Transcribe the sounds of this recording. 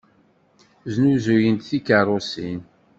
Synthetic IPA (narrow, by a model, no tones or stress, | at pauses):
znuzujənt̪θikərˤːosin